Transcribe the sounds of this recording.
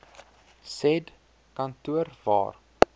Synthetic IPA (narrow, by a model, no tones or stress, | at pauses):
sɛd | kɐntuərvɑ̰ːr